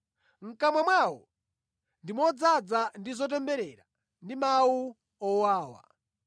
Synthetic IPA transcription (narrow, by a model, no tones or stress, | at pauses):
ŋ̩kamwamwawɔ | ndimɔd͡zad͡zandizɔt̬ɛmbɛɾɛɾa | ndimawu | ɔwaːwa̰